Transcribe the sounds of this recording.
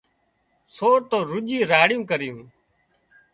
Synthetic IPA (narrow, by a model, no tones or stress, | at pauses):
soːɾt̪oːɾʊʄiːɾaːɽɪjũːkəɾɪjũː